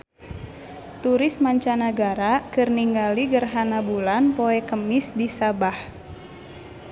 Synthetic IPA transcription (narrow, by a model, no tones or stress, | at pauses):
t̪uɾɪsmaɲt͡ʃanaɡaɾakɨrniŋɡaliɡərɦanabulanpoɛkəmisdisabah